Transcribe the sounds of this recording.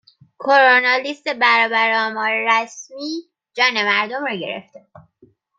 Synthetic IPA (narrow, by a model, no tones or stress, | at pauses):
kʰoɾonɒlist̪e̞bæɾɒːbæɾeɒːmɒːɾeɾæsmiː | d͡ʒɒːne̞mæɾd̪omɾɒːɟe̞ɾḛft̪ebu̥